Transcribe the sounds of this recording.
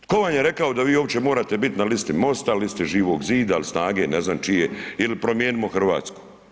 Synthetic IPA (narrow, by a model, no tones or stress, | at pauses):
ko̞ʋaɲjeɾe̞kaod̪aʋiːoːʋt͡ɕe̞moːɾaːt̪e̞bit̪nalist̪imo̞st̪alist̪iʒiːʋo̞ɡziːd̪ailsnaːɡe̞ːneznamt͡ʃijeilipɾomjeːnimoxr̩ʋa̰ːt̪sku̥